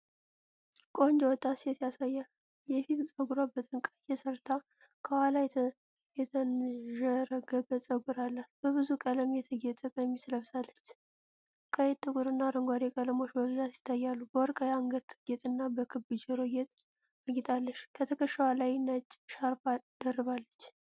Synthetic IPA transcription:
kʼo̞nd͡ʒwɔt̪ʼːaset̪jasajːal | jɛfit̪sʼəɡuɾabːət̪ʼɨnkʼəjɛsəɾt̪ʰa | kʰəwalaj | jɛt̪ʰənʒəɾəɡəɡəsʼəɡuɾalːatbəβɨzukʼələmjɛt̪ʰəɡɛt̪ʼəkʼəjmːisləβsalːət͡ʃː | kʼəjɛt̪ʼːɨkʼuɾɨnːaɾəŋɡʷaɾekʼələmo̞t͡ʃːbəβɨzat̪jɪ̥t̪ʰːajːalːubəwɔɾkʼəjaŋɡət̪ʰɨɡet̪ʼɨnːabəkʰɨbɨd͡ʒɛɾoɡet̪ʼ | aɡit̪ʼalːəʃkʰət̪ʰəkʰəʃːəwalajnət͡ʃʼːʃaɾbad̪ərːɨβalːət͡ʃː

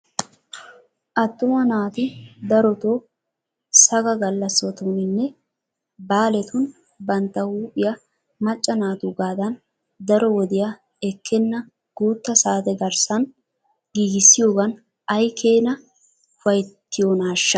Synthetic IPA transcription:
ʔɐt̪ːʊmɐnaːt̪ɪd̪ɐɾɔt̪oː | sɐɡɐɡɐlːɐsɔt̪unɪnːɛ | baːlɛt̪ʊn | bɐnt̪ːɐwuːpʼːɪjɐ | mɐt͡ʃʼːɐnaːt̪uɡaːd̪ɐn | d̪ɐɾɔwɔd̪ɪjɐ | ɛkːɛnːɐ | ɡ̥uːt̪ːɐsaːt̪ɛɡɐɾsɐn | ɡ̥iːɡɪsːɪjoːɡɐn | ɐjkʰeːnɐ | ʊfɐjt̪ːɪjonaːʃːɐ̥

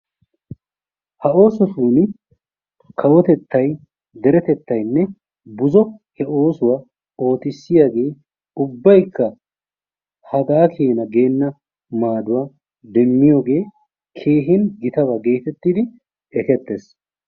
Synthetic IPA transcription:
hɐo̞ːsɔt̪uːnɪ | kʰɐwɔt̪ɛt̪ːɐj | d̪ɛɾɛt̪ɛt̪ːɐjnːɛ | bʊzɔhɛʔo̞ːsʊwa | o̞ːt̪ɪsːɪjaːɡe̞ː | ʊbːɐjkːɐ | hɐɡaːkʰeːnɐɡe̞ːnːɐ | maːd̪ʊwaː | d̪ɛmːɪjo̞ːɡe̞ː | kʰe̞ːɦɪnɡɪt̪ɐβɐɡe̞ːt̪ɛt̪ːid̪ɪ | ɛkɛt̪ːeːs

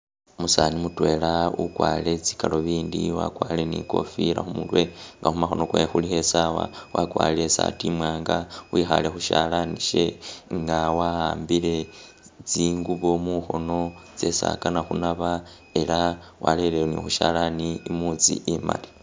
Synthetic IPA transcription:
musanimutwe̞ːlaukwaːle̞t͡si̥kalo̞βiːndiwa̰kwaːlenḭko̞fiɾa̰xumulwe̞ŋɡaxumaxo̞no̞kwexulihe̞sawa̰wʔakwa̰ːlesa̰timwaːŋɡawixale̞xuʃalaniʃeŋɡawahaːmbile̞ | t͡siːŋɡuβo̞muxo̞no̞t͡se̞sa̰kanaxunaβa | e̞lawalelenḭxuʃalaniimut͡sḭʔima̰li

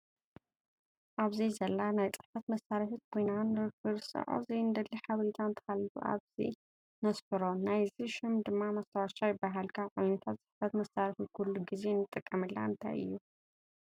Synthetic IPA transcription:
ʔaβzijzɐlːanajt͡sʼɨħfɐt̪mɐsːaɾiħɨt̪kojnanɨɾɨkʰːɨɾsɨ̰ʕo̰zɐjnd̪ɐlːiħaβɐɾit̪ʰant̪ʰɐ̥kalṵʔa̰βz̥ḭ | nɐsbɨɾo̞najziʃɪmd̪ɨmːamɐst̪ʰɐwaʃajɪbːaɦalkʰaʕujnɐt̪ʰat̪t͡sʼɨħfɐt̪mɐsaɾiħukʰulːuɡizenːɨt̪ʼːɨkʼːɐmɨlːa̰ɨnt̪ʰa̰jɨ̰jːu

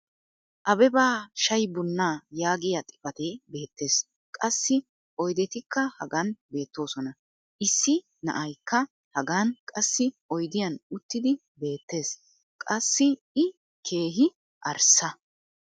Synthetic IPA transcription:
ʔɐbɛbaːʃɐjbʊnːaːjaːɡɪjɐt̪ʼɪ̥fɐt̪eːbe̞ːt̪ːe̞ːs | kʼɐsːɪ | ʔɔjd̪ɛt̪ɪkːɐhɐɡanbe̞ːt̪ːo̞ːsɔnɐ | ʔɪsːɪ | nɐ̰ʔɐjkːɐ | hɐɡaːnkʼɐsːɪʔɔjd̪ɪjɐnʊt̪ːɪd̪ɪ | be̞ːt̪ːe̞ːs | kʼɐsːɪ | ɪ | kʰe̞ːɦɪ | ʔɐɾsɐ

